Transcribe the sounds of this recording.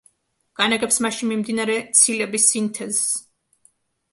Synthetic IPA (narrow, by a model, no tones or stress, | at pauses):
ɡ̥anaɡɛpsmaʃinmimd̪inaɾɛt̪sʰilɛbisːint̪ʰɛzs